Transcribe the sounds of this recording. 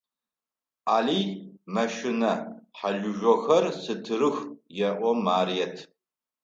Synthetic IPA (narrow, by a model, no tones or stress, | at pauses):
ʔaːliːmɐʃɪnɐħaɮʊʒʷɔxɐrsɨtʰɨɾɨxjɛʔʷɔmaːɾijɛtʰ